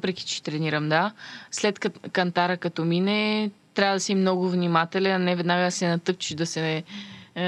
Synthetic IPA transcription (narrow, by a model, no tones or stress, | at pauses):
pɾɛki̥t͡ʃɛ̥t̪ɾɛniɾəmd̪aslɛt̪kkɐnt̪aɾəkɐt̪ɔminɛt̪ɾʲavəd̪ɐsimnɔɡʊvnimat̪ɛlɛnɐnɛvɛd̪naɡəsɛnɐt̪ɤp̚t͡ʃiʒd̪ɐsɛ